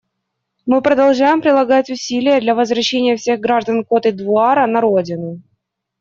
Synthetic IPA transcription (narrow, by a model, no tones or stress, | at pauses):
mɨpɾəd̪ɐlˠʐajɪmpɾʲɪlˠɐɡatʲʊsʲilʲɪjəd̪lʲɐvəzvɾɐɕːenʲɪjəfsʲe̞ɣɡɾaʐd̪ənko̞t̪ɨd̪vʊaɾənɐɾodʲɪnʊ